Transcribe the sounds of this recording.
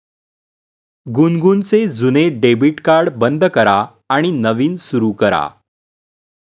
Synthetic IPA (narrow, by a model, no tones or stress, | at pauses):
ɡunɡunt͡sed͡zuneɖebiʈkaɾɽbənd̪ʱkəɾaː | ɽ̃inəʋiːnsuɾukəɾa̰